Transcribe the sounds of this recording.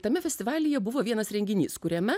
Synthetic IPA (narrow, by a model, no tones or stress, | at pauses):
t̪ɐmʲɛfʲɛsʲt̪ʲɪʋɑːlʲɪjɛbʊʋoːʋʲiɛnɐsɾʲɛŋʲɡʲɪnʲiːskʊɾʲɛmʲɛ